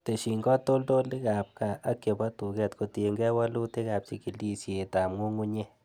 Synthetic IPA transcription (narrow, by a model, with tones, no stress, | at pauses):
t̪e˨ʃi˨ŋɡɔ˦t̪o˦ld̪o˦le˦ɡa˨pka˧a˦ke˨ba˦t̪u˨ɡe˧t̪ko˧t̪e˧ŋɡe˦wa˦lu˦t̪e˦ɡa˨b̚t͡ʃi˧ki˨li˦sje˧˨t̪a˨mŋo˦ŋɡu˦ɲe˦